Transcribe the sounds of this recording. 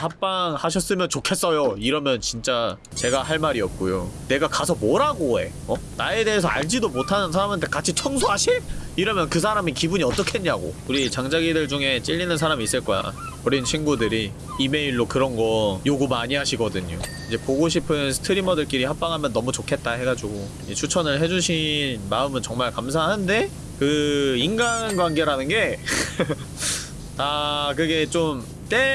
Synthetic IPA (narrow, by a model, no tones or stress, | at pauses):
hap̚p͈aŋhaɕ̬ʰʌs͈ɯmjʌnt͡ɕokʰe̞s͈ʌjoiɾʌmjʌnt͡ɕint͡ɕ͈a | t͡ɕe̞ɡaɦaɭmaɾiʌp̚k͈ojone̞ɡakasʰʌmoɾaɡoe̞̰ | ʌnae̞de̞ɦes̬ʰʌa̰ɭd͡ʑidomotʰanɯnsʰaɾamantʰe̞kat͡ɕʰit͡ɕʰʌŋsʰoɦaɕʰiiɾʌmjʌnkɯsʰaɾamikibuɲiʌt͈ʌkʰeɲɲaɡo̰uɾit͡ɕaŋd͡ʑaɡidɯɭd͡ʑuŋe̞t͡ɕ͈iʎːinɯnsʰaɾamiːs͈ɯɭk͈ʌja̰ | ʌɾint͡ɕʰinɡudɯɾiː | me̞iɭːokɯɾʌnɡʌjoɡumaɲiɦaɕʰiɡʌdɯɲo̰ | id͡ʑe̞poɡoɕ̬ʰipʰɯnsʰɯ̥tʰɯɾimʌdɯɭk͈iɾihap̚p͈aŋɦamjʌnːʌmut͡ɕokʰe̞t̚t͈aɦe̞ɡad͡ʑiɡo | d͡ʑit͡ɕʰut͡ɕʰʌnɯɭɦe̞d͡ʑuɕʰinmaɯmɯnt͡ɕʌŋmaɭkamsʰaɦande̞ | kɯinɡanɡwaŋɡe̞ɾanɯnɡe̞ | takɯɡe̞t͡ɕom | t͈e̞